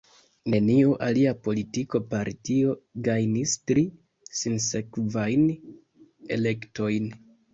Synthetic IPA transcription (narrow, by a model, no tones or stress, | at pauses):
ne̞niuʔaliapo̞litiko̞paɾtio̞ɡajnistɾi | sinse̞kvajn | e̞̰le̞kto̞jn